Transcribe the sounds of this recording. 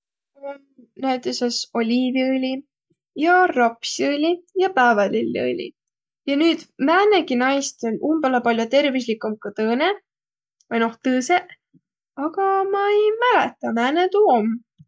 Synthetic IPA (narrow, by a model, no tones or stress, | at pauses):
næjt̪ːˑeseso̞lʲiːviɯlʲi | jɑrɑpsiɯlʲijɑpæːvɑlilʲːḭɯ̰lʲḭ | jɑnyːd̪̥mæːneɡinɑjst̪olʲʔumbelɑpɑljot̪e̞rvislikˑumkɑt̪ɤːne | vɑjno̞ht̪ɤːseʔ | ɑɡɑmɑejmælɛ̰t̪ːˑɑmæːnet̪uːom